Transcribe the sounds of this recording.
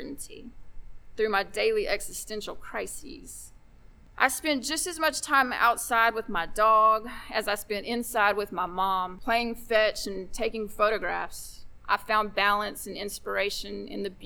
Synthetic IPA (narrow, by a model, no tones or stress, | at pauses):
ʔn̩tʰḭθɹʉmaɪdeɪlˠiʔɛɡsɨstɛ̃nʃl̩ˠkʰɹ̥aɪsḭz̥ | ʔa̰ɪspɛ̃nd̥ʒ̥ʌstɨzmʌt͡ʃtʰãɪ̃ma̰ʊtsaɪd̚wəðmaɪdɔɡɨzaɪspɛ̃ntɪ̃nsaɪd̚wɨðmaɪmɑ̃mpʰl̥eɪɪ̃ŋfɛt͡ʃɨ̃ntʰeɪkɪ̃ŋfoʊɾɨɡɹæ̰fsʔaɪfãʊ̃nbælˠə̃nsɨ̃nɪ̃nspə˞eɪʃɨ̃nɨ̰̃nðɨb